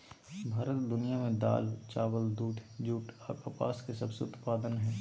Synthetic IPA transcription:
bʱaːɾət̪d̪ʊnijamẽd̪a̰ːlt͡ʃaːʋəld̪uːʈʰd͡ʒuːʈʰaːkapa̰ːskesɐbseʊt̪paːd̪ənɦɛː

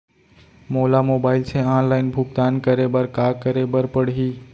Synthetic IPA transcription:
moːlaːmoːbaːɪlt͡ʃʰẽãːnlaːɪnbʱʊkt̪aːnkəɾebəɾkaːkəɾebəɾpəɽɦiː

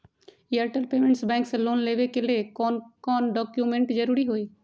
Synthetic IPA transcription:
iəɾʈəlpeːmẽɳʈsbɛ̃ːŋkseloːnleːʋekelekɔːnɖɔːkjumẽɳʈd͡ʒəɾuːɾiɦoːiː

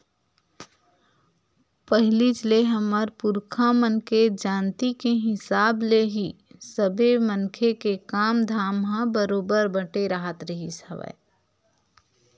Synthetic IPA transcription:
pəɦɪlit͡ʃleɦəməɾpʊɾkʰamənked͡ʒaːnt̪ikeɦɪsaːbleɦisəbemənkʰekekaːmd̪ʱaːmɦãbəɾoːbəɾbəʈeɾəɦət̪ɾəɦisəʋə̰

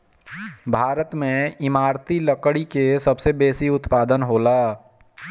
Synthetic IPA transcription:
bʱaːɾət̪mẽɪmaːɾt̪iləkɽikesɐbsebeːsiʊt̪paːd̪ənɦoːlaː

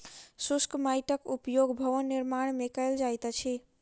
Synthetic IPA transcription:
suskmajʈəkupjoɡbʱəʋənːiɾmaɽ̃mekəɪld͡ʒajt̪t͡ʃʰi

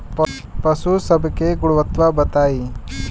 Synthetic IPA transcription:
p | pɐsusɐbʱkeɡuɽuʋɐt̪ʋabɐt̪aːi

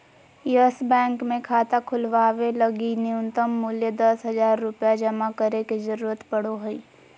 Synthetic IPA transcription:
jəsbɛ̃ːŋkmẽkʰaːt̪akʰʊlʋaːʋeləɡiniʊnt̪əmːʊljəd̪əsɦɐd͡ʒaːɾːʊpjad͡ʒɐmakəɾeked͡ʒəɾuːɾət̪pəɽoɦʊi

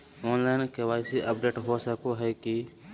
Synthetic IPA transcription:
ɔːnlaːɪnkeʋaːɪsiʔəpɖeːʈɦosəkoɦɛki

